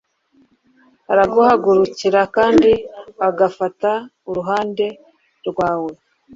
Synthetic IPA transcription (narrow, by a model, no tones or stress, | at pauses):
aɾaɡohaɡuɾuciɾakaːndiaɡafata | uɾuɦaːnde̞ | ɾɡwaːwe̞